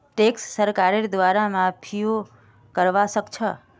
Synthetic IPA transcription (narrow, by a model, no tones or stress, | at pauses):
ʈeksːəɾkaɾeɾd̪ʋaɾamãpʰijo | kəɾʋaʃəkt͡ʃʰə